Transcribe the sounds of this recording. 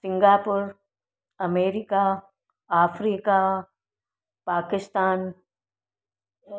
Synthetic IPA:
sɪ̃ŋɡaːpʊɾ | ɐmeːɾika | aːfɾiːka | paːkɪst̪aːn

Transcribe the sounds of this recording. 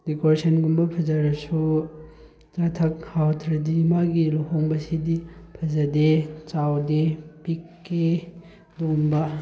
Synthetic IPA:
dikoɾesɐnɡumbɐpʰɐzɐɾɐsu | t͡ʃatʰɐk̚hawtʰɾɐdimaɡiluhoŋbɐsidipʰɐzɐdet͡ʃawdepikːe | lumbɐ

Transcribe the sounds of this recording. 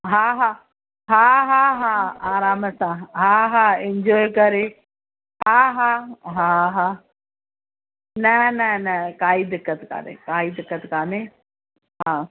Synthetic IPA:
ɦaːɦaː | ɦaːɦaːɦaaːɾaːməsãɦaːɦaːɪɲd͡ʑoːjkɐɾe | ɦaɦaːɦaːɦaː | nɐnɛnɛkaːiːd̪ɪkːət̪ka̰ːnḛ̃kaːɦiːd̪ɪkːət̪kaːne | ɦãː

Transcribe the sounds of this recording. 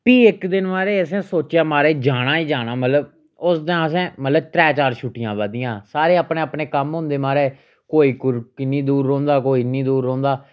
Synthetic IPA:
piːɪkd̪ɪnmaːɾeːəsɛ̃ːsoːt͡ʃjaːmaːɾeːd͡ʒaːɽ̃ãːiːd͡ʒaːnaːmət̪ləb̚ | ʊsd̪əəs̬ɛ̃ːmət̪ləbt̪ɾɛːt͡ʃaːɾʃuːʈɪjãːʋəd̪ɪjãːsaːɾeːapneːəpneːkəmɦʊ̃nd̪eːmaːɾeː | koːiːkʊɾkɪnĩːd̪uːɾːõːnd̪aːkoːiːnĩːd̪uːɾːõːnd̪aː

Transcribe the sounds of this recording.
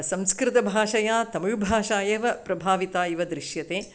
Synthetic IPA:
sɐ̃mskɾɪt̪ɐbʱaːʃɐjaːt̪ɐmɐɻbʱaːʃaːjeːʋɐpɾɐbʱaːʋit̪aːjiʋɐd̪ɾɪʃjɐt̪eː

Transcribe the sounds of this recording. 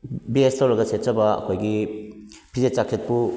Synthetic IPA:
biestʰowɾɐɡɐset̚t͡ʃɐbɐɐ̰kʰojɡi | pʰizet͡ʃak̚sʰet̚pu

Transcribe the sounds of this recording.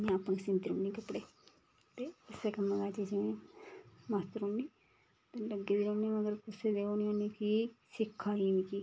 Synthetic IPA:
mɛ̃pnsɪ̃nt̪iɾoːɳĩːkəpːɽeː | t̪eːɪseːkəmːẽɡaːt͡ʃed͡ʒɪẽː | mast̪əɾõːniː | t̪eːləɡːeːd̪iːɾõːniːməɡəɾkʊseːd̪eːoːniːõːniːkiːsɪkʰːaːiːʋĩːkiː

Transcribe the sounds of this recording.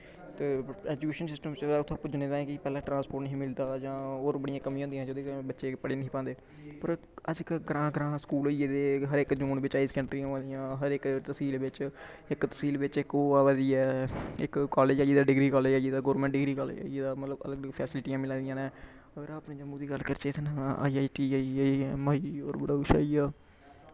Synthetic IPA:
t̪eːɛːd͡ʒukeːʃənsɪsʈəmt͡ʃːʊt̪ʰːãːpːʊd͡ʒnẽːd̪aːẽːkɪpɛːlãːʈɾãːnspoːʈnəɦĩːmɪld̪aːd͡ʒãːoːɾbəɽɪijãːkəmĩːõːnd̪jãːd͡ʒoːd̪eːbətːʃeːpəɽeːnəɦĩːpãːnd̪eː | pəɾ | əd͡ʒkəɡɾãːɡəɾãːskuːloieːd̪eːɦəɾɪkd͡ʒoːɳbɪt͡ʃaːiːskɛ̃ɳʈɾiãːãːnd̪ijãːɦəɾɪkt̪əsiːlʋɪt͡ʃ | ɪkt̪əsiːlʋɪt͡ʃɪkoːaʋəd̪iɛːɪ̰kkaːleːd͡ʒaːd͡ʒiːd̪aːɖɪɡɾiːkaːleːd͡ʒaːd͡ʒiːd̪aːɡoːɾmɛ̃ːɳʈ̚ɖɪɡɾiːkal̰ːeːd̪aːmət̪ləbə̰ləɡələɡpʰɛːsɪlɪʈijãːmɪlãːnd̪ɪjãːneː | əɡəɾaːpniːd͡ʒəmũːd̪iːɡəlkəɾt͡ʃeːt̪ʰːna̰ːiaːiʈiːmaːio̰ːɾbəɽaːʊʃa̰ːiːaː

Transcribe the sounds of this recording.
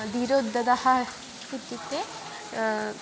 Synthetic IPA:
d̪iɾod̪ːɐd̪ɐhɐ | kut̪ːit̪ːe

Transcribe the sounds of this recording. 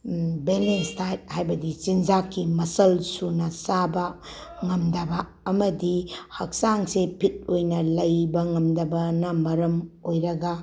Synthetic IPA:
belenstʰajt̚hajbɐdit͡ʃind͡ʒakːimɐsɐlsunɐsabɐŋɐmdɐbɐː | mɐdihɐk̚saŋsepʰit̚ojnɐlɐjbɐŋɐmdɐbɐnɐmɐɾɐmojɾɐɡɐ

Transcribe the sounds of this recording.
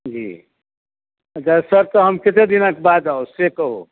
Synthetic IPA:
d͡ʒḭː | əd͡ʒasəɾt̪ɔɦəmkɪt̪ed̪inək̚baːd̪aosekəɦo̰

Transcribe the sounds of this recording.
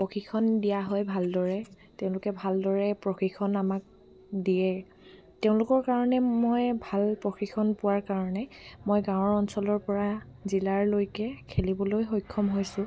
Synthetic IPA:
poxikʰɔndijaɦɔjbʱaldɔɹɛ | teʊ̃lʊkɛbʱaldɔɹɛpɹoxixʰɔnamak̚ | diɛ | teʊ̃lʊkɔɹkaɹɔnɛmojbʱalpɹoxixʰɔnpʊwaɹkaɹɔnɛmojɡaw̃ɔɹɔnsɔlɔɹpɔɹa | zilaɹlojkɛkʰelibɔlojɦojkʰːɔmɦojsʊ̃

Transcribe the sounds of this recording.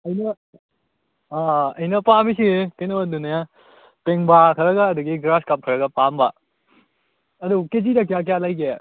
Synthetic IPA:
ɐjnɐ | aɐjnɐpambisikenɐwɐdunɐja | peŋbakʰɐɾɐɡɐːduɡiɡɾaskap̚kʰɐɾɐɡɐpambɐ | ɐduked͡ʒidɐk̬ijak̬jalajke

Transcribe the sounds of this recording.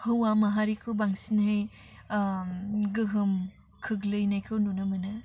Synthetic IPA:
hɯwamɐɦaɾikʰɯbaŋsinhɯj | ɡɯɦɯm | kʰɯklɯjnajkʰɯwnunɐmɐnɐ

